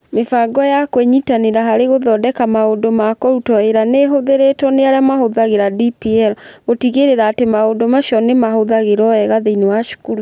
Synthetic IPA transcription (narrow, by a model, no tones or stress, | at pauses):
mefaɡɔjakweɲitaneɾaɦaɾeɣoðɔdɛkamaodomakɔɾutɔeɾaneɦoðeɾetɔneaɾjamahoðaɣeɾadipiɛɾɣotiɣeɾeɾaːtemaodomaʃɔnemahoðaɣeɾɔɛɣaðeinewaʃu̥kuɾu